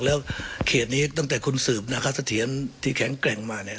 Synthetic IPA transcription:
k̚lɛː˦˥wkʰeː˨˩t̪̚niː˦˥˩t̪a˥˩ŋt̪ɛː˨˩kʰu˧nsɯː˨˩p̚na˦˥kʰa˥sa˧t̪ʰi˩˦ənt̪ʰiː˧˩kʰɛ˨˩˦ŋklɛ˨˩ŋmaː˧ni˦˩ɐ

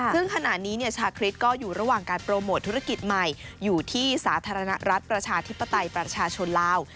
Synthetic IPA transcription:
sɯ˥˩ŋkʰa˧na˨˩ʔ̪̚niː˦˥ni˥˩ɐt͡ɕʰaː˧wkʰɾi˦˥t̪̚kɔː˥˩juː˨˩ɾa˧waː˨˩ŋkaː˧npɾoː˧moː˨˩t̪ʰːu˦˥ɾa˧ki˨˩t̪̚ma˨˩jːuː˨˩t̪ʰiː˥˩saː˩˦t̪ʰaː˧ɾa˧na˦˥ɾa˦˥t̪̚pɾa˧t͡ɕʰaː˧t̪ʰi˦˥pːa˧t̪a˧jpɾa˧t͡ɕʰaː˧t͡ɕʰo˧nlaː˧˩w

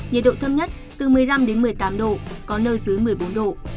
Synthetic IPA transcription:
ɲḭ˨˩ɗo̰˧˨t̪ʰə˧mɲə˦˥t̚ | t̪ɨ˨˩mɨ˨˩əjla˧mɗe˨˦nmɨ˨˩əjt̪aː˨˦mɗo̰˧˨kɔ˨˦nəː˧jsɨ˨˦jmɨ˨˩əjɓo˨˦nɗo̰˧˨

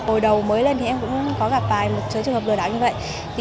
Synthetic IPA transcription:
o˨˩jɗə˨˩wməː˨˦jle˧nt̪ʰi˨˩ʔɛ˧mkʊ̰˧˥ŋ͡mkɔ˨˦ɣa˨˩p̚t̪aː˨˩jmo˨˩t̚t͡ɕɨ˨˦jt͡ɕɨ˨˩˨ŋəː˨˩plɨ˨˩ɗaː˧˩wɲɨ˧və̰˧˨j | t̪ʰi˨

